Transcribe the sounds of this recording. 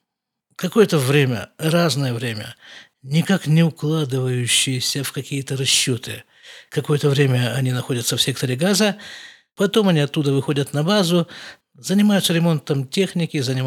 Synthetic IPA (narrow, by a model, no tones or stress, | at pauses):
kɐko̞jət̪əvɾʲemʲə̰raznəjəvɾʲemʲə̰ | nʲɪkaknʲɪʊklˠad̪ɨvəjʉɕːɪjɪsʲəfkɐkʲijət̪əɾɐɕːo̞t̪ɨ | kɐko̞jət̪əvɾʲemʲəɐnʲinɐxo̞dʲət̪səfsʲe̞k̚t̪əɾʲɪɡazə | pɐt̪o̞mɐnʲiɐt̪ːud̪əvɨxo̞dʲət̪nɐbazʊ | zənʲɪmajʊt̪səɾʲɪmo̞nt̪əmtʲe̞xnʲɪkʲɪzənʲɪm